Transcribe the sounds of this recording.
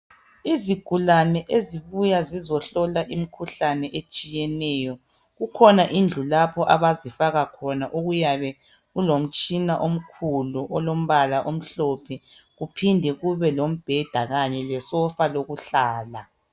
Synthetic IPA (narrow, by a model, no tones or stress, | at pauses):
iziɡ̥ʱulanɛʔeziβujazizɔɬɔlaʔimikʰuɬanɛʔet͡ʃʼijɛnɛjɔ | ɣukʰɔnaʔind͡ɮʱulapʰɔʔaβazifaɣakʰɔnaʔuɣujaβɛ | ɣulom̩t͡ʃʼinaʔom̩kʰuluʔɔlom̩βalaʔom̩ɬɔpʰɛ | ɣupʰindʱɛɣuβɛlom̩b̥ʱɛd̥ʱaɣaɲɛlɛsɔfaloɣuɬaːla